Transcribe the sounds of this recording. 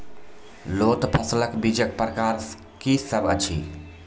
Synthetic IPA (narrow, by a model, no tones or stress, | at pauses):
loːt̪pʰəsləkbid͡ʒək̚pɾəkaɾs | kisəbət͡ʃʰḭ